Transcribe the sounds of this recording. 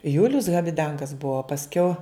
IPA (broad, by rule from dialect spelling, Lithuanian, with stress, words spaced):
ˈjʊlʲʊs ɣɐbʲɪˈdɐŋɡɐs ˈbʊʋoː pɐsʲˈkʲɛʊ